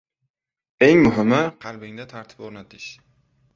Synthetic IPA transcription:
e̞ŋmʊɦɪmːɪqʰɑlˠbɪŋd̪at̪ʰaɾt̪ʰɪ̥poɾnat̪ʰɪʃ

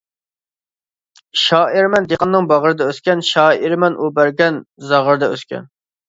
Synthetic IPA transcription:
ʃɑːiɾmɛnd̪eqʰɑnːɨŋbɑʁəɾɨd̪ɑøskʲɛnʃɑːiɾmɛnʔubæɾɡʲɛnzɑʁəɾd̪ɑø̰skʲʰɛ̰n

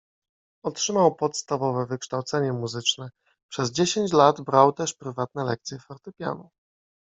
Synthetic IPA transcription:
ɔtʂɘmawpɔt̪st̪avɔvɛvɘkʂt̪awt̪sɛɲɛmuzɘt͡ʂnɛ | pʂɛzd͡ʑeɕeɲt͡ɕlad̪bɾawt̪ɛʂpɾɘvat̪nɛlɛ̰k̚t̪sʲjɛfaɾt̪ɛpʲja̰nu

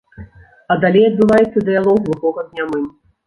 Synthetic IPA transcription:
ɐd̪alʲejɐd̪̚bɨvajɛt̪sːɐd̪ɨjalˠɔwɣlˠuɣɔɣɐd̪nʲamɨn

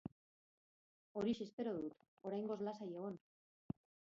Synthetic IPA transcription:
o̞ɾise̞spe̞ɾo̞ðut̪ | o̞ɾajŋɡo̞zlasaje̞ɣ̞o̞n

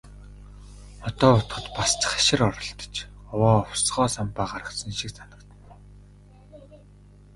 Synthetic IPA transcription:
ɔt̪ɔːʊt̪χə̆t̪past͡ɕə̥̆χḁʃɪ̆rɔɾɞ̆ɬt̪ɞ̥̆t͡ɕ | ɔwɔːɔwsʁɔːsampaːɢaɾə̆sə̆nʃik̚t͡sanə̆kt̪ə̆n

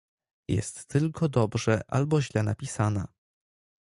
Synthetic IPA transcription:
jɛ̰st̪ːɘlkʰɔd̪ɔbʐɛʔa̰lbɔʑlɛnapʲisana̰

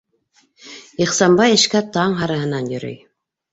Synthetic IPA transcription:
iχsɑmbɑjɘ̆ʃkæt̪ɑɴɦɑɾɑ̆ɦɤ̆nɑnjɵ̆ɾɘ̰j

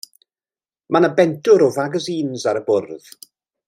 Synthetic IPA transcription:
manəbɛntʰʊɾɔvaɡəziːnzaɾəbʊrð

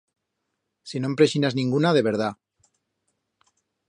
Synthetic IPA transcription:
sinõmpɾeʃinaznĩŋɡunaðeβ̞e̞ɾð̞a

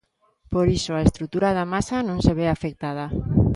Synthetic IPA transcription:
poɾisoaest̪ɾut̪uɾaðamasanõŋseβeafek̚t̪að̞a

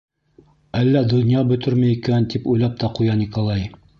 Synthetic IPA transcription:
ælːæd̪ŏnʲjɑbɵ̆t̪ɵɾmæjikænt̪ipujlˠɑp̚t̪ɑqujɑnʲikolˠɑj

